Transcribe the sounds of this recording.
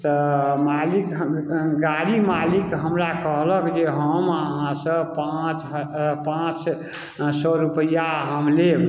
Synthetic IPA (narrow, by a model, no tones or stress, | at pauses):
t̪əmalikɡaɽimalikɦəmɾakəɦləkd͡ʒeɦəməɦãsə̃pãt͡ʃpãt͡ʃ | sɔɾupəjaɦəmle